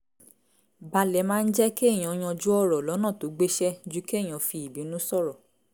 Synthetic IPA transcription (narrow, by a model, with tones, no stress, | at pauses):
ba˧lɛ˨mãː˦n̩˦d͡ʒɛ˦ke˦˨j̃ɔ̃˨˧j̃ɔ̃˧d͡ʒu˦ɔ˦ɾɔ˨lɔ˨˦nã˦˨to˨˦ɡ͡be˦ʃɛ˦d͡ʒu˦kj̃ɔ̃˨˧fi˧i˨bi˨˦nũ˦sɔ˦˨ɾɔ˨